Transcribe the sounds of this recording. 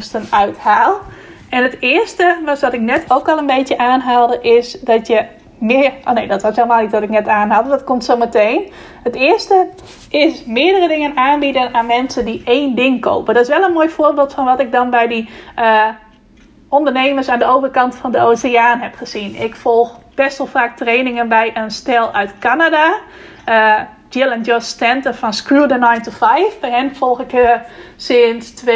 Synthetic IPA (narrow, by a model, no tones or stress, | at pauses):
stənœɥthaːlˠ | ɛnətɪːərstəʋɔsdɔtɪk̚nɛtʰowkɔlˠənbejtjəʔaːnɦaːlˠdəʔɪsdɔtjə | mɪrʔoneːdɔtʋɔɪsʋelˠəmaːlˠnitdɔtɪk̚nɛtaːnɦaːlˠdədɔtkomtsowmətejn | hətɪərstə | ʔɪsmɪədərədɪŋənaːnbidənaːnmɛnsəndiʔeːndɪŋko̰wpəndɔtɪsʋɛlˠənmoːjfoːrbɪːlˠtfɔnʋɔtɪk̚dɔnbɛjdiə | ʔɔndəɹneːməɹsaːndəowvərkɑntfɔndəosɪaːnɦɛpχəzinɪkfɔlˠxb̥ɛstʋɛlˠfaːk̚trejnɪŋənbɛjʔənstɛlˠœɥtkanada | dɪlˠənjɔstɛntəfɔnskɹudənajntufɛjfbɛjɦɛnfɔlˠxɪkhəsɪnstʋ